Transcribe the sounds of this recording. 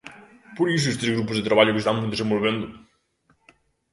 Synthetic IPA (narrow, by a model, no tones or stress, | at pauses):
puɾisuest̪ɾezɣɾupuzðet̪ɾəβaʎukest̪anũnd̪ezẽmbolˠβend̪u